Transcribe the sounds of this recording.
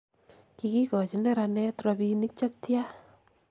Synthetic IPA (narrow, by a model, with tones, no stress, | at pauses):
ki˧ki˦kɔ˨t͡ʃi˨nɛ˦ɾa˧nɛ˦tɾa˨bi˧ni˦k̚t͡ʃa˦tja˦